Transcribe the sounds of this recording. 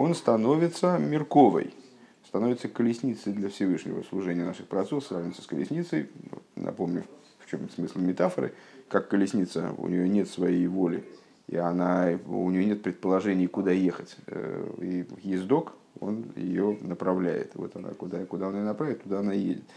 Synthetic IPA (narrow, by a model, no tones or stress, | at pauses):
o̞nst̪ɐno̞vʲɪt̪səmʲɪrko̞və̰j | st̪ɐnovʲɪt̪səkəlʲɪsʲnʲit̪səjd̪lʲəfsʲɪvɨʂnʲɪ̰və̰slˠʊʐɛnʲɪjənaʂɨxpɾɐt̪sɛsɾavnʲɪt̪sə̥skəlʲɪ̰sʲnʲit̪səj̰nʔɐ̰po̞mnʲʊ | ft͡ɕo̞msmɨslʲˠmʲɪt̪afəɾɨ̰kakːəlʲɪsʲnʲit̪sə̰ʊ̰nʲɪjonʲe̞t̪svɐjejvolʲɪ | ḭɐnaʊ̰nʲɪjonʲe̞t̪̚pɾʲɪt̪̚pəlˠɐʐɛnʲɪjəkʊd̪ajexətʲ | ijɪzʲd̪o̞k | o̞̰njɪ̰jo̞nəpɾɐvlʲæ̰jɪ̰t̪ɨvo̞̰t̪ɐna̰kʊd̪akʊd̪ao̞nɪjonɐpɾavʲɪt̪ːʊd̪aɐnajḛdʲɪt̪